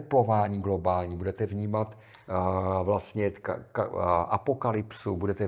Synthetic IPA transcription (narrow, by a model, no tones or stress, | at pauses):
ɛplo̞vaːɲiːɡlo̞baːlɲiːbudɛt̪ɛvɲiːmat̪ | vlast̪ɲɛkkaʔapokalɪpsubudɛt̪ɛ